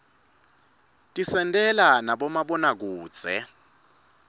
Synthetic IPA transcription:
tʼisɛntʼɛlanaɓɔmaɓɔnak̬uːd̥z̥ʱɛ̰

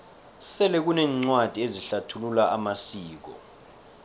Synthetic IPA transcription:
sɛlɛk̬unɛːŋ͡ǀwad̥ʱieziɬatʰululaʔamasiːk̬ɔ̰

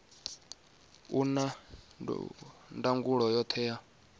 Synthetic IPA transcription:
ṵna̰ | ndaŋɡuɺɔjɔt̪ʰɛja

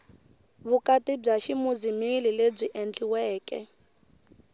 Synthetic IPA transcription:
βukatib͡ʐaʃimud͡zimilileb͡ʐiʔɛnd͡ɮʼiwɛːkʼɛ̰

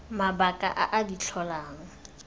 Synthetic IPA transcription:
mabakʼa̰ʔaʔadit͡ɬʰɔlaːŋ̩

